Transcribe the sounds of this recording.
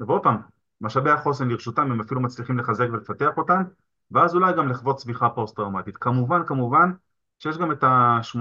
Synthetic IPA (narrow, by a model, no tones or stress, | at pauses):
veo̞d̥̚pam | maʃabeaχo̞s̬emliʁʃutamemafilumat͡sliχimle̞χaze̞kve̞lefate̞aχo̞tam | veazulajɡamliχvo̞t̪sviχapo̞st̚dʁamat̪it̪kamuvankamuvan | ʃejeʃ̬ɡame̞taʃm